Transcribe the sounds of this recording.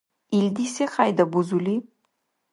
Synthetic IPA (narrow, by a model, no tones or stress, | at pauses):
ild̪isexajd̪ɐbuzuli